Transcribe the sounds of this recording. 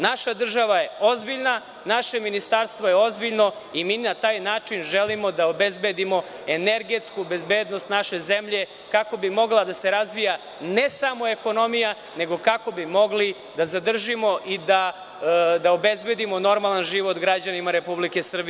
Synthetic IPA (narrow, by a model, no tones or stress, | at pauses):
naʃad̪r̩ʒaʋajeo̞zbiʎna | naʃe̞minist̪aɾst̪ʋo̞jeo̞zbiʎno̞imiːnat̪aːjnaːt͡ʂinʒelimo̞d̪aobezbe̞d̪imo̞ | eneɾɡe̞t̪skube̞zbeːd̪no̞st̪naʃe̞zemʎe̞ | kako̞bimo̞ɡlˠad̪aseɾazʋija | nesamo̞e̞ko̞no̞mija | ne̞ɡo̞kako̞bimo̞ɡli | d̪azad̪r̩ʒimo̞ʔid̪a | d̪aobezbe̞d̪imo̞no̞ɾmalˠanʒiʋot̪ɡɾad͡ʑanimaɾe̞publike̞sr̩bie